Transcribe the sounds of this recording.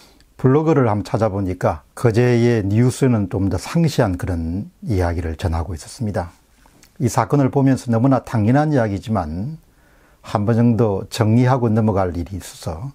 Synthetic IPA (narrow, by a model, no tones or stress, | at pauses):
puɭːoɡɯɾɯɭhamt͡ɕʰad͡ʑaboɲik͈akʌd͡ʑejenius͈ɯnɯnt͡ɕomdʌsʰaŋɕʰiɦankɯɾʌnijaɡiɾɯɭt͡ɕʌnɦaɡois͈ʌ̥s͈ɯmɲida | isʰak͈ʌnɯɭpomjʌnsʰʌnʌmunataŋɲinɦanijaɡid͡ʑiman | hambʌnd͡ʑʌŋdot͡ɕʌŋɲiɦaɡonɯmʌɡaɭiɾiːs͈ʌ̥sʰʌ